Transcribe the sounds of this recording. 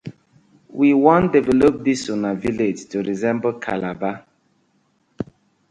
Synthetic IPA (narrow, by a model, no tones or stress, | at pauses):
wiwɔ̃ndɛvɛlop̚disunaviled͡ʒtuɾizɛ̃mbolkʰa̰laba